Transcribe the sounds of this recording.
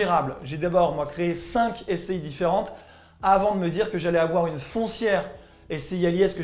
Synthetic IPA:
iʁablʒed̪abɔʁmwakχeesɛ̃kɛsɛjd̪ifeʁɑ̃t̪ | avɑ̃d̪əməd̪iʁkəʒalɛavwaʁynfɔ̃sjɛʁ | esɛialjɛskə

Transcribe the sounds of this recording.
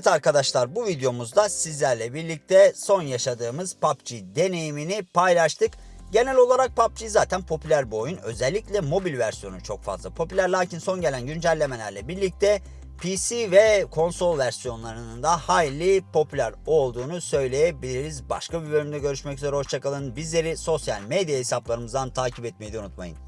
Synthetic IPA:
t̪aɾkad̪aʃlˠaɾbuvid̪ejo̞muzd̪asizlʲæɾlʲɛbiɾlʲic̚t̪ʰɛso̞njaʃad̪ɯːmɯzpʰap̚t͡ʃʰid̪e̞ne̞jiminipʰajlˠaʃt̪ʰɯk | ɟe̞nælʲo̞lˠaɾak̚pap̚t͡ʃʰijzaːt̪ʰænpʰo̞pʰylʲæɾbo̞junø̞̰zɛlʲːiclʲɛmo̞bilʲvæɾsijo̞nut͡ʃʰo̞kfa̰zlˠapʰo̞pylʲæɾlʲˠaːcinso̞nɟe̞lʲænɟynd͡ʒælʲːe̞me̞lʲæɾlʲɛbiɾlʲic̚t̪ʰɛ | pʰisivɛkʰo̞nso̞lˠvæɾsijo̞nlˠaɾɯnɯnd̪ahajlʲːipʰo̞pʰylʲæɾo̞lˠd̪uːnusø̞jlʲe̞jɛbilʲiiɾizba̰ʃkʰabibø̞lʲymd̪ɛɟø̞ɾyʃmɛcyzeɾɛhoʃt͡ʃʰakalˠɯnbizlʲe̞ɾiso̞sja̰lʲmed̪ijahesaplˠaɾɯmɯzd̪ant̪ʰaːcʰipɛt̪̚mejid̪unut̪ma̰jɯ̰n

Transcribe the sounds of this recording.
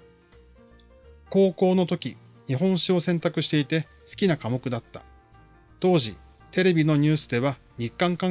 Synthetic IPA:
ko̞ːko̞ːno̞t̪o̞kʲi | ɲ̟iɦõ̞ɰ̃ɕio̞sẽ̞nt̪akɯɕi̥t̪e̞it̪e̞ | sɨ̥kʲinakamo̞kɯ̟d̪at̪ːḁ̰ | t̪o̞ːʑi | t̪e̞ɾe̞bʲino̞ɲ̟ɨ̟ːsɨd̪e̞βa | ɲikːãŋkã

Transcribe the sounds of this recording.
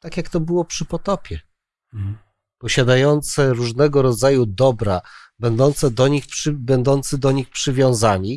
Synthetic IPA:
t̪akʲjakt̪ɔbɘwɔpʂɘpɔt̪ɔpʲjɛ | pɔɕad̪ajɔnt̪sɛɾuʐnɛɡɔɾɔd̪zajud̪ɔbɾa̰ | bɛnd̪ɔnt̪sɛd̪ɔɲixpʂɘbɛnd̪ɔnt̪sɘd̪ɔɲixpʂɘvʲjɔ̃w̃zaɲi

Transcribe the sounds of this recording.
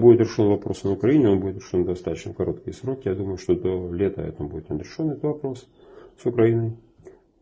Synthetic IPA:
budʲɪt̪ɾʲɪʂonvɐpɾo̞snəʊkɾɐinʲɪo̞nbudʲɪt̪ɾʲɪʂond̪ɐst̪at̪ət͡ɕnəkɐɾo̞t̪kʲɪjəsɾo̞kʲɪjad̪uməjʊʂt̪od̪olʲet̪ə̰ɛ̰t̪əmbudɪt̪nəd̪ɾʲɪʂonɛt̪vɐpɾo̞s | sʊkɾɐinɨj

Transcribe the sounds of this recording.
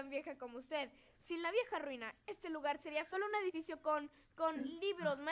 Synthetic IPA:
ambje̞xako̞mo̞ust̪e̞ð | sinlaβje̞xarwinae̞st̪e̞luɣaɾse̞ɾiaso̞lo̞une̞ð̞ifisjo̞konkonliβɾo̞zma

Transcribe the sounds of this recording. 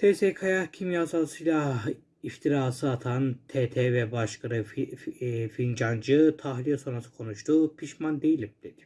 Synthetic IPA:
t̪ʰesekʰajahcʰimjazalˠsɯjlˠa | ift̪ʰiɾaːsɯat̪ʰant̪ʰet̪ʰɛvɛbaʃkɯɾɯ | find͡ʒand͡ʒɯt̪ʰaɦlʲijaso̞nɾasɯ̥kʰo̞nuʃt̪ʰupʰiʃmand̪e̞jilʲimd̪̥ed̪̥ɪ̥

